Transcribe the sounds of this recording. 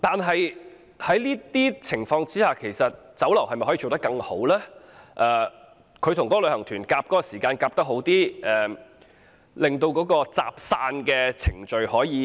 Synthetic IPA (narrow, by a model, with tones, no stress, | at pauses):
t̪aː˨nɦɐ˨j | hɐ˨˥jliː˥t̪iː˥t͡sʰɪ˨˩ŋfɔː˧ŋt͡siː˥haː˨kʰe˨˩jsɐ˨t̚ | t͡sɐ˨˥wlɐ˨˩whɐ˨jm˨jhɔː˨˥i˧o˨˧t̪ɐ˥kːɐ˧ŋho˨˥wlɛː˥ | ʔɛː˧ | kʰɵ˨˧ɥt̪ʰʊ˨˩ŋkɔ˨˥lɵ˨˧ɥhɐ˨˩ŋt̪ʰyː˨˩nkaː˧p̚kɔː˨˥kɔ˧siː˨˩kaː˧nkaː˧p̚t̪ɐ˥k̚ɦo˨˥wt̪iː˥ʔɛː˨˩ | lɪ˨ŋt̪o˧wkɔː˨˥kɔː˧t͡sa̰ː˨p̚saː˧nkɛː˧t͡sʰɪ˨˩ŋt͡ʃɵ˨ɥhɔː˨˥jiː˨˧